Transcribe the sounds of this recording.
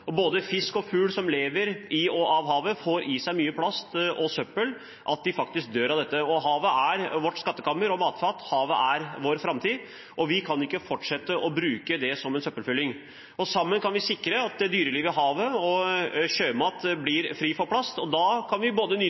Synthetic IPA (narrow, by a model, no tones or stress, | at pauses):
ɔboːd̪əfɪskɔfʉːlsɔmleːʋəɾɪɔʔɑːʋɦɑːʋəfoːɾɪsæɪmyːəpʰlɑst̪ɔsœpːəl | ʔɑt̪̚d̪ɪfɑk̚t̪ɪsk̚d̪øːɾɑʋd̪ɛt̪ːəɔɦɑːʋəæɾʋɔʈːskɑt̪ːəkʰɑmːəɾɔmɑːt̪fɑːt̪hɑːʋəʔæɾʋoːɾfɾɑmt̪ʰiː | ʔɔʋɪkʰɑnɪkːəfɔʈʂɛt̪ːəʔɔbɾʉːkəd̪ɛsɔmɛnsœpːəlfʏlːɪŋ | ɔsɑmːənkʰɑnʋɪsɪkːɾəɑt̪̚d̪ɛd̪yːɾəlɪʋɪɦɑːʋəɔɕøːmɑːt̪blɪɾfɾiːfɔɾpʰlɑst̪ɔd̪ɑːkʰɑnʋɪboːd̪ənyː